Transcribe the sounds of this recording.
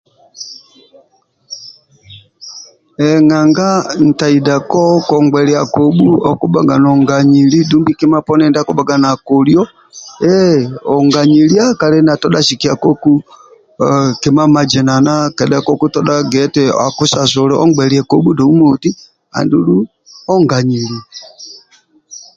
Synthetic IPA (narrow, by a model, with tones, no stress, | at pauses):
ɛŋa˨ŋɡa˦n̩˨ta˨ida˨kɔ˦kɔ˨ŋɡɛ˨ɾi˨a˨ko˨ɓu˦ɔ˦ku˦ba˨ɡa˨nɔ˨ŋɡa˨ɲi˨li˦du˦mbi˦ki˦ma˦pɔ˦nɛ˨nda˦ku˦ba˨ɡa˨na˨ko˨ljɔ | ɛɔ˨ŋɡa˨ɲi˨lja˦kalɛ˦na˨tɔ˦ɗa˦ʃi˨ki˨a˨kɔ˦ku˦ | ki˨ma˦ma˨d͡ʒɛ˨na˨na˦kɛ˨da˦kɔ˦ku˦tɔɗa˦ɡɛtɛa˨ku˦sa˨sɔ˨lɛ˦ɔ̰˦ŋɡ͡bɛ˨ɾi˨a˨kɔ˦ɓu˦dɔ˨u˦mo˨ti˦ | a̰˨ndu˦lu˦ | ɔ˦ŋɡa˨ɲi˨li˨